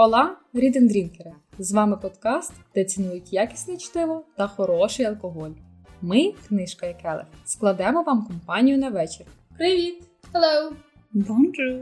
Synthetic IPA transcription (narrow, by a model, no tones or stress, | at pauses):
ɔlˠɑɾʲid̪end̪ɾʲinkeɾezʋɑmɪpɔd̪kɑst̪d̪̥ɛt̪sʲɪnujʊtʲjɑkʲi̥sʲnʲɛt͡ʃt̪ɪlˠɔt̪ɐxɔɾɔʃɪjɐlˠkɔɦɔlʲ | mɪknɪʃkɐjɐkɛlˠɪ̰sklˠɐd̪ɛmɔʋɑmkɔmpɑnʲijʊnɐʋɛt͡ʃɪr | pɾɪʋʲit̪ | helˠow | d̪ɔmʒɪ